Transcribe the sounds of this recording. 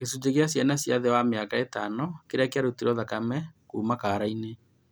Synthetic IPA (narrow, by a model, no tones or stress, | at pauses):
kesud͡ʒeɣjasjanasjaðɛwameakaetanɔkeɾakeaɾotiɾɔðakamɛkuːmakaɾaine